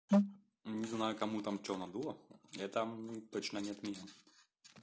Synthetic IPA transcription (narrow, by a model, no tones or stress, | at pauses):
nʲɪznajʊkamut̪amt͡ʃʲɔwnɐd̪ulˠɐjat̪amt̪ɔt͡ɕnɐnʲɛt̪mʲɛn